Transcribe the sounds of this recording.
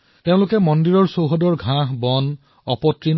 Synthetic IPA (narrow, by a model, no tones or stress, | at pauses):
tẽʊ̃lʊkɛmɔndiɹɔɹsowɦɔdɔɹɡʱãɦbɔn | ɔpɔtɹin